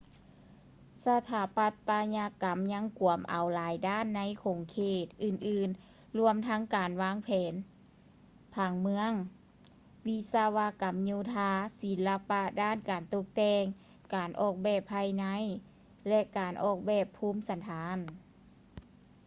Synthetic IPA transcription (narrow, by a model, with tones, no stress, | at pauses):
sa˧t̪ʰaː˨˦pa˧t̪ːaː˧ɲa˧ka˨˦mɲa˧˥ŋku˨˩əmʔa˨˩wlaː˨˦jdaː˥˨nːa˧˥jkʰo˨˩ŋkʰeː˧˩t̪̚ʔɯː˧˩nʔɯː˧˩n | lu˧əmt̪ʰa˧˥ŋkaː˨˩nwaː˧˥˨ŋpʰɛː˨˦n | pʰaː˧˩ŋmɯ˧˥əŋ | wi˧sa˧wa˧ka˨mɲuː˧˩t̪ʰaː˧˥si˨˦nla˧pa˧daː˥˨nkaː˨˩nt̪o˧k̚t̪ɛː˧ŋ | kaː˨˩nʔɔː˧˩k̚bɛː˧˩pʰːaː˧˩jna˧˥˨j | lɛ˧kaː˨˩nʔɔː˧˩k̚bɛː˧˩pʰːuː˧˥˨msa˨˧˦nt̪ʰaː˨˧˦n